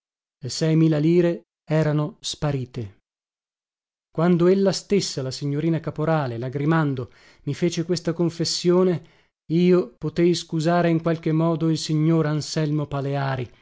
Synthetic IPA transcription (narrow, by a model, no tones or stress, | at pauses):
lesɛjmiːlaliːɾe | ɛːɾanospaɾiːt̪e | kwand̪oelːast̪esːalasiɲːoɾiːnakapoɾaːlelaɡɾimand̪o | mifeːt͡ʃekwest̪akoɱfesːjoːne | iːopot̪ejskuzaːɾeiŋkwalk̟emːɔːd̪oilsiɲːoːɾansɛlmopaleaːɾi